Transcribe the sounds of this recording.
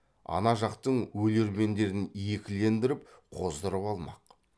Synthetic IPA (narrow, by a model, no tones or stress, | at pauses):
ɑ̰nɑʒɑqt̪əɴwɵle̞ɾme̞nd̪e̞ɾɪnje̞kʲɪle̞nd̪ɪɾɪp̚ | qʰozd̪əɾəpɑlˠmɑ̰q